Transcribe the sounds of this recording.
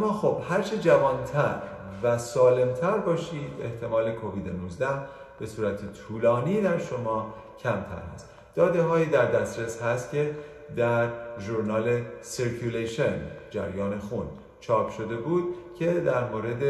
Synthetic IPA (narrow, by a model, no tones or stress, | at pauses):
æmːɒːxob̥hæɾt͡ʃʰed͡ʒævɒːnt̪ʰæɾvæsɒːle̞mt̪ʰæɾbɒːʃiːd̪e̞ht̪ʰe̞mɒːle̞kʰo̞viːd̪enuzd̪æh | b̥e̞suːɾæt̪ʰet̪ʰuːlɒːniːd̪æɾʃo̞mɒː | cʰæmt̪ʰæ̰ɾhæ̰st̪ | d̪ɒːd̪eɦɒːjiːd̪æɾd̪æsɾeshæst̪cʰe̞ | d̪æɾʒuɾnɒːle̞siɾkʰuleʃend͡ʒæ̰ɾjɒːne̞xun | t͡ʃʰɒːpʰʃo̞d̪e̞buːd̪̥̚cʰe̞d̪æɾmoːɾe̞d̪e